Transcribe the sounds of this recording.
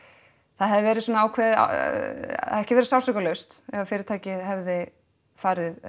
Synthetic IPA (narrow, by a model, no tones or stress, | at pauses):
θaðɦɛvðɪvɛːɾɪsɔːnaaːwkʰvɛːðɪa̰ | a̰ðɛhcɪvɛːɾɪ̥sawsœkalœɥst̪ɛvafɪːɾɪɾt̪ʰaːjcɪɦɛvðɪ | faːɾɪð